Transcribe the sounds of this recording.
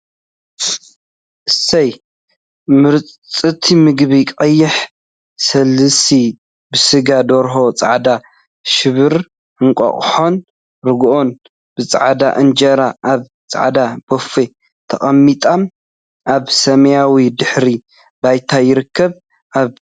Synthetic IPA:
ʔɨsɐj | mɨɾt͡sʼt͡sʼɨt̪ʰimɨɡβikʼɐjːɪħ | sɐlːɨsi | bɨsɨɡad̪oɾɦo̞t͡sʼa̰ʕd̪a | ʃɨβɨɾ | ɨŋkʷʼɐ̰χʼħo̞n | ɾɨɡʔo̞n | b̥ɨt͡sʼa̰ʕd̪a̰ʔɨnd͡ʒɐɾaʔaβ | t͡sʼa̰ʕd̪ab̥ofe | t̪ʰɐχʼɐmːit̪ʼam | ʔaβsɐmɐjawid̪ɨħɾi | bajt̪ʰajɪɾɨkʰːɐβ | ʔaβ

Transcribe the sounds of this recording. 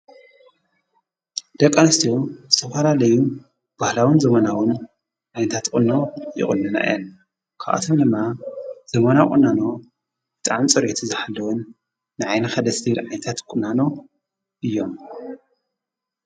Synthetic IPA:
d̪̥ɐkʼːanɐst̪ʰiozɨt̪ʰɐfɐlalɐju | b̥ahlawɨnzɐmɐnawɨn | ʕajnɐt̪ʰat̪kʼɨnːojɪ̰χʼɨ̰nːɨna̰an | kʰa̰ʔʔa̰t̪ʰomd̪ɨmːaz̥ɐmɐnakʼṵnːano̞ | b̥ɨt̪ʼaʕmt͡sʼɨɾʔit̪ʰuzɨħalːɐwunː | ɨʕajnɐxad̪ɐsdilʕajnt̪ʰat̪kʼʊnano̞ | ʔɨjːom

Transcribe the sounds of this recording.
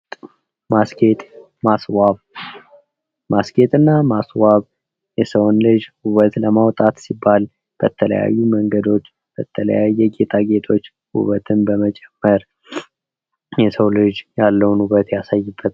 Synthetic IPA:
masket̪ʼ | maswaβ | maske̞t̪ʼɨnːamaswaβ | jɛsəwnlɨd͡ʒhuβət̪ləmawt̪ʼat̪sibːal | b̥ət̪ʰələ̰ja̰jːuməŋɡəd̪o̞t͡ʃː | b̥ət̪ʰələ̰jajɛɡe̞t̪ʰaɡe̞t̪ʰo̞t͡ʃː | hṵβət̪ʰɨnbəmət͡ʃʼɛmːəɾ | jɛsəwlɨd͡ʒjalːəwnuβət̪jasajːɪbːət̪

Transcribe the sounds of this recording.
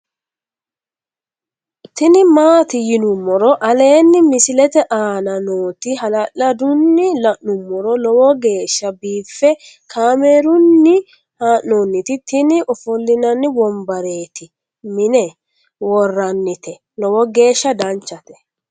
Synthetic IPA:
t̪ɪnɪmaːt̪ɪjɪnʊmːɔɾɔʔɐle̞ːnːɪmɪsɪlɛt̪ɛʔaːnɐnoːt̪ɪɦɐlɐʔːɐd̪ʊnːɪlɐʔnʊmːɔɾɔlɔwɔɡe̞ːʃːɐbiːfːɛ | kʰaːmeːɾʊnːɪ | haːʔːonːɪt̪ɪt̪ɪnɪʔɔfʊlːɪnɐnːɪbɔmbɐɾe̞ːt̪ɪ | mɪnɛ | wɔrːɐnːɪt̪ɛ | lɔwɔɡe̞ːʃːɐd̪ɐnt͡ʃːɐt̪ɛ̥

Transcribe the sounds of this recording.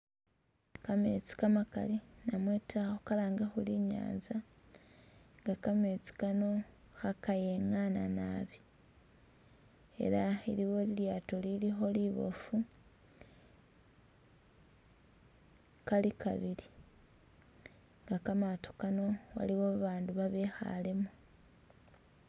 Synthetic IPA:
kame̞̰ːt͡si̥kamaka̰linamweːtaxokalaːŋɡexuliɲa̰ːnza | ŋɡakame̞ːt͡si̥kano̞ | xakaje̞ŋananaːβi | e̞̰ɾaiɾiwo̞liljaːtolilixo̞liβo̰fu | kalikʰa̰βili | ŋɡakamato̥kano̞wa̰liwoβaːnduβaβe̞ːxa̰le̞me

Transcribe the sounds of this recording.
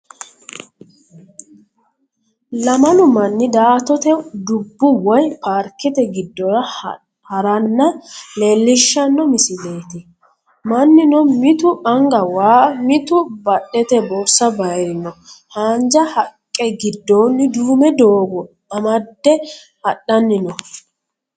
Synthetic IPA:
lɐmɐlʊmɐnːɪd̪aːt̪ɔt̪ɛd̪ʊbːʊwɐjpaːɾkːɪt̪ɛɡɪd̪ːɔɾɐ | hɐɾɐnːɐleːlːɪʃːɐnːɔmɪsɪleːt̪ɪ | mɐnːɪnɔmɪt̪ʊʔɐŋɡɐwaːmɪt̪ʊbɐɗːɛt̪ɛbɔsːɐbɐjɾɪnɔhaːnd͡ʒɐhɐkʼːɛɡɪd̪ːɔːnːɪd̪uːmɛd̪oːɡɔ | ɐmɐd̪ːɛ | hɐɗɐnːɪnɔ

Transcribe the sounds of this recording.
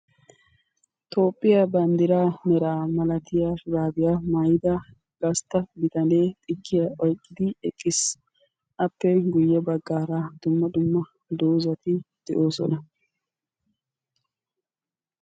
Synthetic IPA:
t̪ʰo̞ːpʼːɪjabɐnd̪ɪɾaːnɛɾaːmɐlɐt̪ɪjaːfʊɾaːbɪjamajɪd̪ɐ | ɡ̥ɐst̪ːɐbɪt̪ɐneːt̪ʼɪkːɪjaʔɔjkʼːɪd̪ɪɛkʼːɪs | ʔɐpːɛɡʊjːɛbɐɡːaːɾad̪̥ʊmːɐd̪ʊmːɐ | d̪oːzɐt̪ɪd̪̥ɛʔoːsɔ̰nɐ

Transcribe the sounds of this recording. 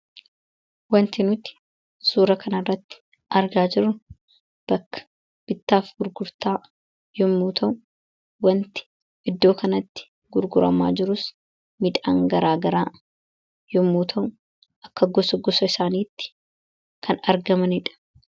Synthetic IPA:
wɐnt̪ɪnʊt̪ɪ̥ | suːɾɐkʰɐnɐrːɐt̪ːɪ̥ | ʔɐɾɡaːd͡ʒɪɾːʊ | b̥ɐkːɐ̥ | b̥ɪt̪ːaːfɡʊɾɡʊɾt̪aː | jɔmːuːt̪ʰɐʔʊ | wɐnt̪ɪ̥ | ʔɪd̪ːo̞ːkɐnɐt̪ːɪ̥ | ɡʊɾɡʊɾɐ̰ma̰ːd͡ʒɪɾʊs | mɪd̪a̰ːŋɡɐɾaːɡɐɾaː | jɔmːuːt̪ʰɐʔʊ | ʔɐkːɐɡɔsɔɡɔsɐɪsaːniːt̪ːɪ̥ | kʰɐnɐɾɡɐmɐnɪᶑɐ̥

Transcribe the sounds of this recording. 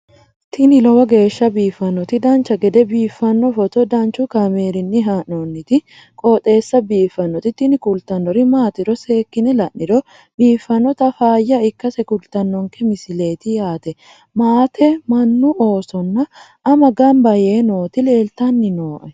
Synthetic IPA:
t̪ʰɪnɪlɐwɐɡe̞ːʃːɐbiːfːɐnːɔt̪ɪd̪ɐnt͡ʃɐɡɛd̪ɛbiːfːɐnːɔfɔt̪ɔd̪ɐnt͡ʃʊkɐmeːɾɪnːɪɦaːnonːɪt̪ɪ | kʼɔːt̪ʼe̞ːsːɐbiːfːɐnːɔt̪ɪt̪ɪnɪkʊlt̪ɐnːɔɾɪmaːt̪ɪɾɔse̞ːkːɪnɛlɐʔːɪɾɔ | biːfːɐnːɔt̪ɐfaːjːɐɪkːɐsɛkʊlt̪ɐnːɔŋkɛmɪsɪle̞ːt̪ɪjaːt̪ɛ | maːt̪ʰɛmɐnːuʔoːsɔnːɐ | ʔːmɐɡɐmbɐjeːnoːt̪ɪle̞ːlt̪ɐnːɪnoːʔɛ

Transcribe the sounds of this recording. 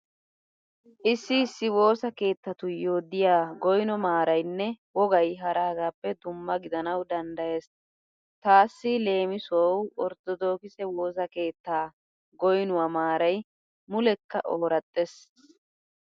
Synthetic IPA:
ʔɪsːɪːsːɪwo̞ːsɐke̞ːt̪ːɐt̪ʊjoːd̪ɪjaːɡɔjnɔmaːɾɐjnːɛwɔɡɐjɦɐɾaːɡaːpːɛd̪ʊmːɐɡɪd̪ɐnɐwd̪ɐnd̪ɐjeːs | t̪aːsːɪle̞ːmɪsowɔɾt̪ːɔd̪o̞ːkɪsɛwo̞ːs̬ɐke̞ːt̪ːaː | ɡɔjnʊwɐmaːɾɐj | mʊlɛkːɐ̰ʔoːɾɐt̪ʼːes

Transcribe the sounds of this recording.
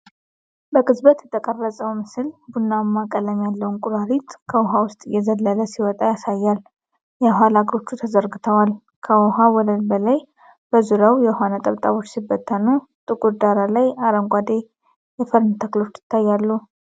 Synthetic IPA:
bəkʼɨzbət̪jɛt̪ʰəkʼərːəsʼəwmɨsɨlbunːamːakʼələmjalːəwunkʼuɾaɾit̪kʰəwʊɦawʊst̪ʼɨjːɛzəlːələsiwɔt̪ʼajasajːal | jɛɦʷalaɡɾo̞t͡ʃːut̪ʰəzəɾɡɨt̪ʰəwal | kʰəɔɦawɔləlbəlaj | b̥əzuɾawjɛɦʷanat̪ʼəβt̪ʼaβo̞t͡ʃːsɨbːət̪ʰːənu | t̪ʼɨkʼuɾd̪aɾalajaɾəŋɡʷad̪e | jɛfəɾnt̪ʰəklo̞t͡ʃːjɪ̥t̪ːajːalːu

